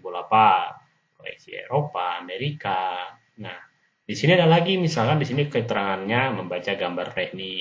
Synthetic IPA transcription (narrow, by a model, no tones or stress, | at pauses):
bolapa | koḛsḭḛɾopaːmeɾika | nah | disiniadalaɡimisalkandisinikəit̪əɾaŋanɲaməmbat͡ʃaɡambarːɛhni